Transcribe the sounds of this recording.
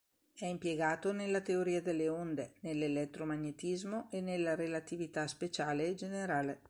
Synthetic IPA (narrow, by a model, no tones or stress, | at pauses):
ɛimpjeɡaːt̪onelːat̪eoɾiːad̪elːeond̪enelːelɛt̪ːɾomaɲːet̪izmoʔenelːaɾelat̪ivit̪aspet͡ʃaːled͡ʒeneɾaːle